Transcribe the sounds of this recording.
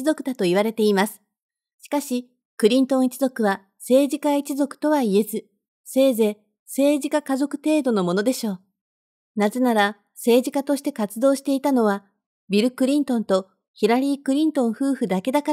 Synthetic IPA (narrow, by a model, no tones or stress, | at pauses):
izo̞kɯ̟d̪at̪o̞iβ̞aɾe̞t̪e̞imasɨ̥ | ɕi̥kaɕi | kɯ̟ɾʲĩnt̪õ̞ɰ̃it͡ɕizo̞kɯ̟βa | se̞ːʑikait͡ɕizo̞kɯ̟̥t̪o̞βaie̞zɨ | se̞ːze̞ː | se̞ːʑikakazo̞kɯ̟̥t̪e̞ːd̪o̞no̞mo̞no̞d̪e̞ɕo̞ː | naze̞naɾa | se̞ːʑikat̪o̞ɕi̥t̪e̞kat͡sɨd̪o̞ːɕi̥t̪e̞it̪ano̞βa | bʲiɾɯ̟kɯ̟ɾʲĩnt̪õ̞nt̪o̞ | çiɾaɾʲiːkɯ̟ɾʲĩnt̪õ̞ɰ̃ɸɯ̟ːɸɯ̟d̪ake̞d̪aka